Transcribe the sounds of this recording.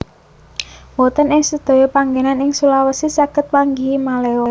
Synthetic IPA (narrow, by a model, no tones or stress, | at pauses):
wɔt̪ənɪŋsəd̪̥o̤jɔpaŋɡenanɪŋsulawəsisaɡ̥ət̪̚waŋɡimaleɔ